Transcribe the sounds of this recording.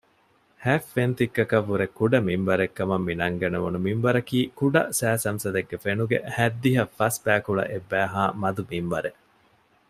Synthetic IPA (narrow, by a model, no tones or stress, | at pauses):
hæːfːent̪ikːɐkɐʋːuɾekːuɖɐmimbɐɾekːɐmɐmːinɐŋɡɐnɐʋunumimʋɐɾɐkiːkuɖɐsæːsɐmsɐd̪eɡːefenuɡḛhæd̪ːiɦɐfːɐsbæːkuɭɐ̰ʔebːæːɦaːmɐd̪umimʋɐɾe